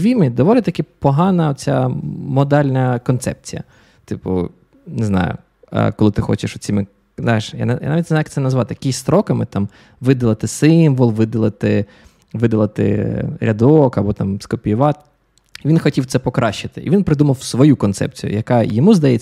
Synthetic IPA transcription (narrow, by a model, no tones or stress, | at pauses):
ʋʲimɪd̪ɔʋɔlʲɪt̪ɐkʲipɔɦɑnɐɔt̪t͡sʲamɔd̪ɑlʲnɐkɔnt̪sɛ̰p̚t͡sʲijɐ̰ | t̪ɪpʊ̰ | neznɑ̰jʊ̰ | kɔlˠɪt̪ɪxɔ̰t͡ʃɪʃʊt͡sʲimɪ | znɑjeʃja̰nja̰nɑʋʲitʲnzajɐk̚t̪ɛnɐzʋɑt̪ɪkʲisʲst̪ɾɔkɐmɪt̪ɑm | ʋɪd̪ɐlˠɐt̪ɪsɪmʋɔlˠʋɪd̪ɐlˠɐt̪ɪ | ʋɪd̪ɐlˠɐt̪ɪ̰ɾʲɐd̪ɔkɐbɔt̪ɑmskɔpʲijʊʋɑt̪̚ | ʋʲinxɔtʲiwt̪sɛpɔkɾʔɑʃɪt̪ɪʔḭʋʲinpɾɪd̪umɐwsʋɔjukɔnt̪sɛ̰p̚t͡sʲijʊ̰jɐkɑjɔmuzd̪ɐjɛt͡sʲː